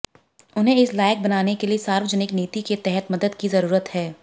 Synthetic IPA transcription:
ʊnɦẽɪslaːjɪk̚bɐnaːnekeliesaːɾʋd͡ʒənɪkneːt̪iket̪ɛɦɛt̪mɐd̪əd̪kizɐɾuːɾət̪hɛː

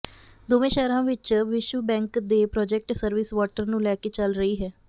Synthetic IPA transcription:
d̪oːʋẽːʃɛːɾãːʋɪt͡ʃʋɪʃʋəbɛ̃ːŋkd̪eːpɾɔːd͡ʒɛk̚ʈsəɾʋɪsʋɔːʈəɾnũːlɛːkeːt͡ʃəlɾəiːɦɛː

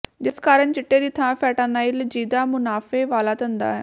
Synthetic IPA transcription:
d͡ʒɪskaːɾəɳd͡ʒɪʈːeːɾiːt̪ʰãːpʰɛːʈaːnaːild͡ʒiːd̪aːmʊnaːfeːʋaːlaːt̪ənd̪a̰ːɛː

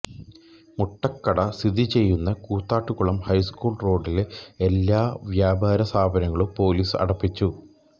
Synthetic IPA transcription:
muʈːɐkːɐɽɐst̪id̪it͡ɕe̞jːunːɐkuːt̪ːaːʈːukːuɭɐmhɐjskuːɭro̞ːɖileelːaːʋjaːbʱaːɾɐsaːbʱɐɾɐŋːɐɭupo̞ːliːsɐ̰ɽɐpːit͡ɕːu

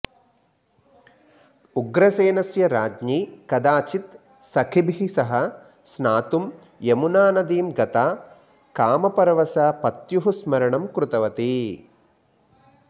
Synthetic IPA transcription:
uɡɾɐseːnɐsjɐɾaːd͡ʒɲiːkɐd̪aːt͡ʃit̪ | sɐkʰibʱɦisɐɦɐ̆ | snaːt̪um | emunaːnɐd̪iːmɡɐt̪aː | kaːmɐpɐɾɐʋɐsaːpɐt̪juɦusmɐɾɐɳɐmkɾut̪ɐʋɐt̪i

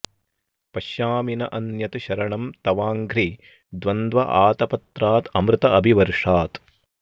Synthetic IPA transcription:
pɐʃjaːminɐʔɐnjɐt̪ʃɐɾɐɳɐmt̪ɐʋaːŋɡɾi | d̪ʋɐnd̪ʋɐ̰ʔa̰ːt̪ɐpɐt̪ɾaːt̪ɐmɾɨt̪ɐɐbʱiʋɐɾʂaːt̪

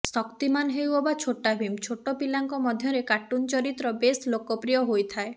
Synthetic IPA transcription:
sɔkt̪imanɦewɔbat͡ʃʰoʈːabʱimt͡ʃʰoʈːɔpilaŋkɔmɔd̪ʱjɔɾekaʈːunt͡ʃɔɾit̪ɾɔbeslokɔpɾijɔɦojt̪ʰae

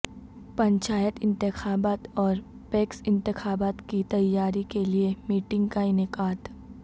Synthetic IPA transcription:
pɐ̃ɲt͡ʃaːjət̪ɪ̃nt̪ɪxaːbaːt̪ɔːɾ | peːksɪ̃nt̪ɪxaːbaːt̪kit̪ɐjːaːɾikeliemiːʈɪ̃ŋɡ̚kainɪkaːt̪

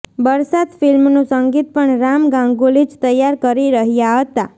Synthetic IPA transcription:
bəɾsad̪filmnũsəŋɡit̪̚pəɳɾamɡãŋɡulid͡ʒt̪əjːaɾkəɾiɾəɦjaɦət̪a

